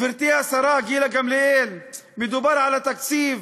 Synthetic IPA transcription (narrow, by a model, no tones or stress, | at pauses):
ɪɾt̪iːhasɑɾˤɑːɡiːlaɡamleʔeːl | mɪd̪ubɑɾˤʕalat̪aksiːf